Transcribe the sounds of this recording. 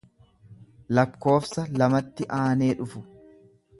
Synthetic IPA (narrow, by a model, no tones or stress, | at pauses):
lɐkːo̞ːfsɐlɐmɐt̪ːɪʔaːne̞ːᶑʊfʊ